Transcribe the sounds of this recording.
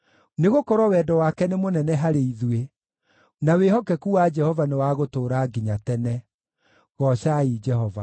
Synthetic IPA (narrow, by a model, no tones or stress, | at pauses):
neɣokɔɾwɔwɛːdɔwakɛnemonɛnɛɦaɾeiðue | naweɦɔkɛkuwad͡ʒɛhɔvanewaɣotoːɾaːɡiɲatɛnɛ | ɣɔɕaid͡ʒɛhɔva̰